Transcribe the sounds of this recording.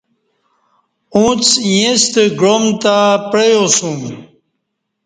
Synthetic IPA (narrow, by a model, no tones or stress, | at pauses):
ũt͡sijẽst̪eɡomt̪apɾejosũm